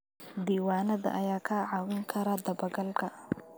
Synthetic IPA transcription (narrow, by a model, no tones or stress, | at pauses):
d̪iːwaːnɐðɐ̰ʔɐjaːkʰɐʕɑwɪŋkʰɐɾad̪ɐbɐɡɐlkʰɐ